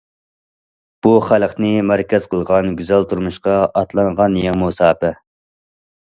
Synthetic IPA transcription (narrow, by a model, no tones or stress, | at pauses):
b̥uχælˠqnɨmæɾkʲɛz̥qʰəlˠʁɑnɡʲyzælt̪ʰuɾmuʃqɑɑt̪lˠɑɴʁɑnjeŋmosɑːpɛ